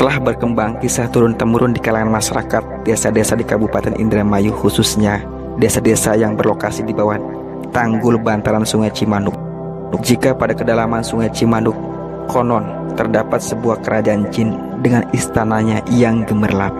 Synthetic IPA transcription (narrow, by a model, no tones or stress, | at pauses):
t̪əlahbərkəmbaŋkisaht̪uɾʊnt̪əmuɾʔʊndikalaŋanmaʃaɾakat̪̚desadesadikabupat̪ɛnʔḭnd̪ɾɛmajuhususɲa | desadesajaŋbərlokasidibawah | t̪aŋɡʊlbant̪aɾansuŋajt͡ʃimanʊk̚ | nʊk̚d͡ʒikapadakədalamansuŋajt͡ʃimanʊkː | onɔn | t̪ərdapat̪̚səbuahkəɾʔad͡ʒaant͡ʃɪn | dəŋanist̪anaɲajaŋɡəmərlap̚